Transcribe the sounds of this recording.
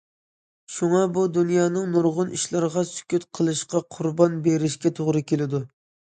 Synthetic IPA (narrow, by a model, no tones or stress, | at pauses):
ʃuŋɑbud̪unjɑːnɨŋnuɾʁʊnʔiʃlˠɑɾʁɑsy̥kʲyt̪qʰəlˠɨʃqɑqʰʊɾbɑnbeɾɪʃkʲɛt̪ʰoʁɾɨkʲelɪd̪u